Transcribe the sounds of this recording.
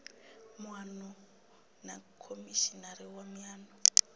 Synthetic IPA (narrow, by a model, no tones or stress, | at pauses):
mwanɔ | nakʰomiʃinaɾiwamaːnɔ